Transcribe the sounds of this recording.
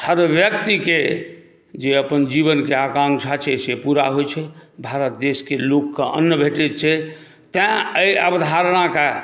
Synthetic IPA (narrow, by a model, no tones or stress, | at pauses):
həɾʋjək̚t̪ike | d͡ʒeəpənd͡ʒiβənkeakãŋkt͡ʃʰat͡ʃʰɛsepuɾa̰ɦojt͡ʃʰɛbʱaɾət̪̚d̪eskelokːəʔə̰nːjəbʱeʈɛt̪t͡ʃʰɛ | t̪ɛ̃əjəbd̪ʱaɾɽ̃aka